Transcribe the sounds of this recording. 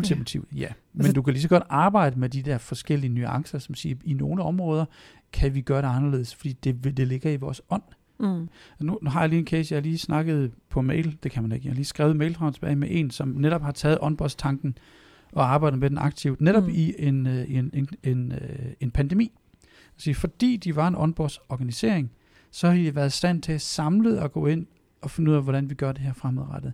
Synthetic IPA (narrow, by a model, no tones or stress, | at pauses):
ult͡sʰimæt͡sʰiʊ̰d̥jæmennd̥ukʰælis̬ɒ̽ɡ̥ɒ̽d̥ɑ̈ːb̥ɑ̈ɪ̰d̥əmed̥id̥ɛɐfɒ̽sɡ̥el̰iənyɑ̈ŋsɐsɒmsiːino̝ːləɒ̽mʁɔ̽ːð̞ˠɐ | kʰæʋiɡ̥ɶɐɾe̝ɑ̈nɐle̝ːð̞̩̰ˠsfɒ̽d̥ḭːd̥e̝ed̥e̝le̝ɡ̥ɐiʋɒːsɒ̽n̰ | nunuɦɑ̈jɑ̈liːenkʰeːsjɑhliːsnɑ̈ɡ̥ð̞̩ˠpʰɒ̽meɪ̰ld̥e̝kʰæmæne̝ɡ̥jɑhɑliːsɡ̥ʁɛ̰ʊmeɪlt͡sʰʁɑʊt͡sʰe̥b̥ɛ̰ːɪmeʔe̝nsɒ̽mneɾ̥ɒ̽b̥hɑ̈t͡sʰɛːð̩ˠɒ̽nb̥ɒd̥st͡sʰɑ̈ŋɡ̥n̩ | ʔɒ̽ɑ̈ːb̥ɑ̈ɪ̰dð̩ˠmed̥enɑ̈ɡ̥̚t͡sʰiʊd̥neɾɒ̽b̥ie̝nineene̝npʰænd̥emḭː | ɒsiːfɒ̽d̥ḭːd̥iʋɑ̈e̝nɒ̽nb̥ɒ̰̥sɒːɡ̥ænise̝̰ɐ̰eŋ | sɒ̽hɑ̈diʋæːɐðˠsd̥æn̰t͡sʰe̝æsɑ̈mləð̩ˠɒ̽ɡ̥ɔ̰̽ːe̝n̰ | ɒ̽fenuðˠɛ̰ʋɒdɾænʋiɡ̥ɶɐd̥e̝ɦæɐfʁamð̩ˠʁɑd̥ð̩ˠ